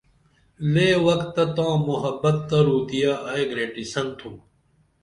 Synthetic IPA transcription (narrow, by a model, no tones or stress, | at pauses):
leːwɐkt̪ːɐt̪ãːmuɦɐbːɐt̪ːɐɾuːt̪ijaːʔɐeɡɾeːʈisɐnt̪ʰũː